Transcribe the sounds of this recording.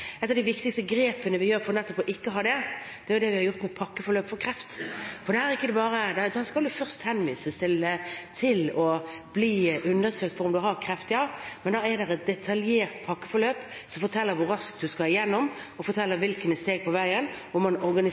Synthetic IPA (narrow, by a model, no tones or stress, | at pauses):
ɛt̪ːɑʋd̪æɪʋɪkt̪ɪkst̪əɡɾeːpənəʋɪjøːɾfɔɾnɛt̪ːɔpɔʔɪkːəɦɑːd̪ɛd̪ɛæɾjʊd̪ɛʋɪhɑɾjʊɾt̪mɛpʰɑkːəfɔɾløːpfɔɾkʰɾɛft̪fɔɾd̪ɛhæːɾɪkːəd̪ɛbɑːɾəd̪ɛd̪ɑskɑld̪ʉfœʁst̪hɛnʋiːsəst̪ʰɪlt̪ʰɪlɔbliːʔʉnːəsøːkt̪fɔɾʊmd̪ʉɦɑɾkʰɾɛft̪ɪɑmɛnd̪ɑɛd̪ɛɾɛt̪̚d̪ɛt̪ʰɑljeːɾt̪pʰɑkːəfɔɾløːpsɔfɔt̪ʰɛlːəɾʋʊɾɑsk̚d̪ʉskɑɪjɛnːɔm | ɔfɔɾt̪ʰɛlːəɾʋɪlkənst̪eːɡ̚pʰɔʋæɪənɔmːɑnɔɾɡɑnɪ